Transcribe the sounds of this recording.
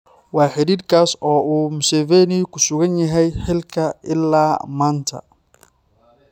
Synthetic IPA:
wɑːħɪɾiːrkʰaːsɔːuːmʊsɛvɛːnɪkʰʊsʊɣɐnjɐɦɛjħɪlkʰɐɪlːaːmaːnt̪ʰɐ̰

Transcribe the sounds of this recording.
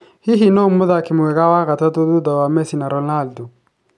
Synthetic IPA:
hiɦinomːʊðakɪmʊwɛɡawaɣatat̪od̪ud̪awamɛsinaɾɔnaldo

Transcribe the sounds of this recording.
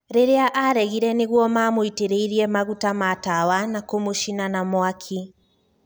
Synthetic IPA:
ɾeɾeaʔaɾɛɣiɾɛneɣwɔmaːmoiteɾeiɾiɛmaɣutamatawanakomoʃinanamwakʰi

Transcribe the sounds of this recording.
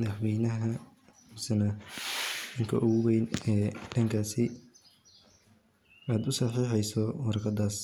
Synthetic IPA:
mɐðɑħwɛːjnɐɦɐ | mʊsɐnɐ | ɖɐŋkʰɐʔʊɣʊwɛjnɛːɖɐŋkʰaːsɪ | aːd̪ʊsɐħiːħɛjsɔwɑɾqɐd̪aːs

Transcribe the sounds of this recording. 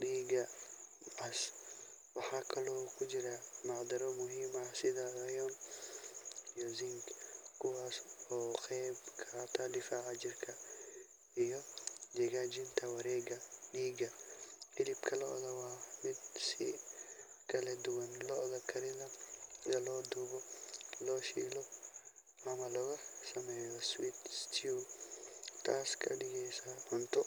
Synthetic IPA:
ɗiːɡɐ | as | wɑħɑːkʰɐlɔːkʰʊd͡ʒɪɾɐmɑʕd̪ɐɾɔmʊɦiːmɐsɪðɐɐjɔn | ijɔzɪŋɡkʰʊwaːsɔːxɛjbkʰɐt̪ʰɐɖɪfaːʕɑd͡ʒɪrkʰɐ | ijɔd͡ʒɐɣaːd͡ʒɪnt̪ʰɐwɐɾɛːɡɐɗiːɡɐɪlɪbkʰɐlɔ̰ʔðɐwaːmɪd̪si | kɐlɛd̪uwɐnlɔʔðɐkʰɐɾɪlɐɡɐlɔd̪ubɔlɔʃḭlɔ | ɐmɐlɔɣɐsɐmɛɔswit̪st̪ʰiu | t̪ʰaːskʰɐdɪɡɛjsamɐnt̪ɔ

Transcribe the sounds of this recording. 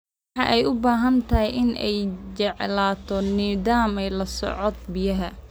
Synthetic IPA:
ɑʔɛjʔʊbaːɦɐnt̪ʰɐɦɛjʔɪnɛ̰jt͡ʃɛʕlaːt̪ʰɔniːðaːmɛjlɐsɔ̰ʕɔd̪̚bɪjɐɦɐ

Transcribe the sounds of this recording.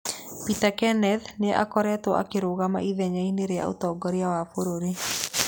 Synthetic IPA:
pitakɛnɛðneʔa̰kɔɾɛtwɔʔa̰keɾoɣama̰ʔiðɛɲaineɾea̰o̰tɔːɡɔɾeawafoɾoɾe

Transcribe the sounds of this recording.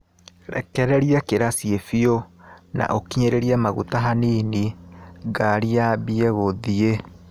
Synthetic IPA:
ɾɛ̰kɛɾɛɾiakeɾasiefiona̰ʔokiɲeɾeɾiamaɣṵtaɦaniːniɡaɾiabiɛɣoðie

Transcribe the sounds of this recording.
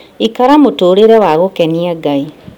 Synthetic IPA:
ikaɾamotoːɾeɾɛwaɣokɛniaɡai

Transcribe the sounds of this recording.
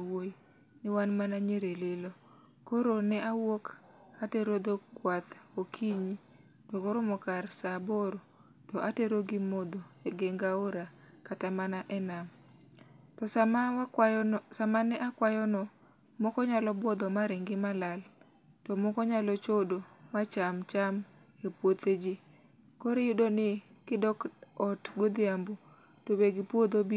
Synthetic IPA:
woj | nɪwanmanaɲeɾelelo | koɾonɛʔawok | ateɾod̪okwat̪okʰiɲi | tɔkɔɾʊmɔkarsaboɾo | tɔʔateɾoɡɪmod̪oeɡeŋɡaoɾa | katamanaʔɛnam | tɔs | samanɛʔakwajɔnɔ | mɔkɔɲalɔbwɔd̪ɔmaɾɪŋɡɪmalal | tɔmɔkɔɲalɔt͡ʃodomat͡ʃamt͡ʃam | epwot̪ed͡ʒɪ | koɾejudonɪ | kɪdɔkɔtɡod̪ɪambu | tobeɡɪpwod̪obi

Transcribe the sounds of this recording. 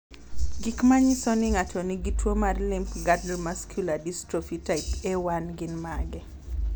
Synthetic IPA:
ɡɪkmaɲisɔniŋat͡ʃɔniɡitwomarlɪmpɡadlmaskʰjuladistɾofitaɪpɛwanɡɪnmaɡɛ

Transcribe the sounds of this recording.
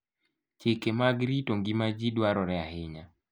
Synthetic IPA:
t͡ʃɪkemaɡɾitoŋɡimad͡ʒidwaɾɔɾɛaɦɪɲa

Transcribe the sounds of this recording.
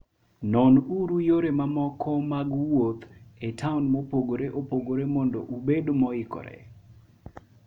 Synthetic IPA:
nɔnuɾujoɾemamɔkʰɔmaɡwot̪etʰaunmopoɡoɾeʔopoɡoɾemɔndɔ̰ʔubedomɔɪkɔ̰ɾɛ̰

